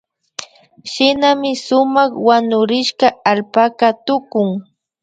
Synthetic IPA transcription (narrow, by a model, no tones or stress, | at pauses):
ʃɪnamɪsʊmɑχwanʊɾɪʃkaalpakat̪ʊkʊŋ